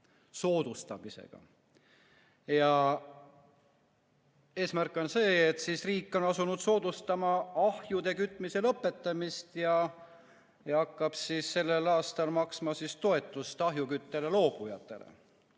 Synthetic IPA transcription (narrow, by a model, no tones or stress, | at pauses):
so̞ːd̪̥ust̪ɑmise̞̰ɡ̥ɑ̰ | jɑ | e̞ːsmærkːˑo̞nse̞ːt̪sisriːkːˑo̞nɑsunud̪̥so̞ːd̪̥ust̪ɑmɑɑhjud̪e̞kyt̪ːˑmise̞lɤpːˑe̞t̪ˑːɑmist̪jɑ | jɑɑkːɑb̥sisːe̞lːe̞lɑːst̪ɑlmɑksmɑsist̪o̞e̞t̪ːˑust̪ɑɦjukyt̪ːele̞lo̞ːb̥ujɑt̪ːˑe̞̰lḛ